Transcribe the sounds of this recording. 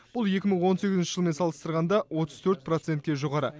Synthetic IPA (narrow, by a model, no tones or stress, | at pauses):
b̥ʊlˠje̞kʲɪməɴwo̞nse̞ɡʲɪzɪnʃɪʒəlˠme̞nsɑlˠəst̪əɾʁɑnd̪ɑwo̞t̪əz̥t̪ʰɵɾt̪̚prot̪se̞nt̪̚kʲeʒoʁɑɾə̰